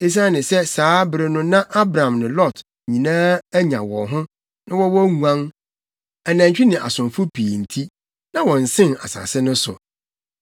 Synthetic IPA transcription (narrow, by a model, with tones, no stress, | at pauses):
e˦s̬a˦nɪ̃˨sɛ˦saː˨˦bɪ˨ɾɪ˨nʊ̃˦nã˦ʔa˦bɾã˨mnɪ̃˨lɔ˦˨t | ɲĩ˨nãː˦æ˦ɲã̰˨wɔ̰̃˨ɦʊ̃˦ | nã˦wɔ˦wɔ˦ŋũ˨ã˦ŋ | ɛ˨nã˨ɲ˨t͡ɕᶣɪ˦nɪ̃˨ʔa̰˨sʊ̃˨mfʊ˦pʰiː˨n̩˨tʰi˦ | nã˦wɔ̃˨n̩˨sɪ̃˦na̰˨sa̰˨sɪ˦nʊ̃˦sʊ̰˨